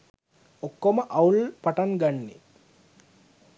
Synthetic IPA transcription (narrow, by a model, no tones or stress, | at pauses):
okːoməʔɐulpaʈaŋɡanːḛ